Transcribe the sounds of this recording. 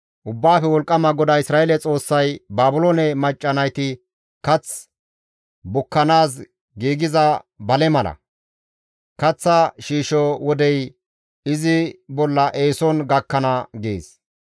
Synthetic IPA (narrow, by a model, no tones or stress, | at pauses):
ʔʊbːaːfɛwɔlkʼːɐmɐɡɔd̪ɐɪsɾaːelɛt͡sʼo̞ːsːɐjbaːbʊlonɛmɐt͡ʃʼːɐnɐjt̪ɪ | kɐt͡s | bʊkːɐnaːs̬ | ɡiːɡɪzɐbɐlɛmɐlɐ̰ | kɐt͡sːɐʃiːʃɔwɔd̪ɛj | ɪzɪbɔlːɐʔe̞ːsɔnɡɐkːɐnɐɡḛːs